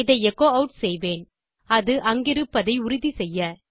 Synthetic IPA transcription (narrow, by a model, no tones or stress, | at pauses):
ɪðɐɪɛkːoːɐʊʈsɛjʋeːn | ɐðɯʔɐŋɡɪɾɯpːɐðɐɪʊɾʊðisɛjːɐ